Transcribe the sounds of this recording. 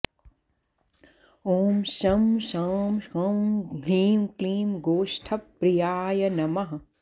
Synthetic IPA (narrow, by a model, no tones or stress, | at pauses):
oːmsɐmsaːmskɐmkliːmkliːmɡoːʃʈʰɐpːɾijaːjɐnɐmɐɦɐ